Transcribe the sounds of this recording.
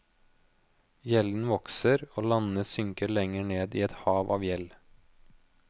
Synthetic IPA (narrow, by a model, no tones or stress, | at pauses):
jɛln̩ʋɔksəɾoːlɑnəsʏŋkəɭɛŋəɳeːd̪ḭːɛt̪hɑːʋʔɑːʋjɛl